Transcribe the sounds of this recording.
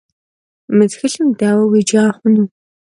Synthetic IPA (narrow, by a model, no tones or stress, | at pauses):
mɨt͡sxɨɬɨmdaːwɐwid͡ʒaːχʷʊnuː